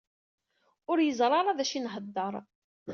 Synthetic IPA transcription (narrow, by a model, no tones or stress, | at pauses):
ʊɾjəzˤɾˤɑɾˤɑðæʃinɦəd̪ːəɾˤ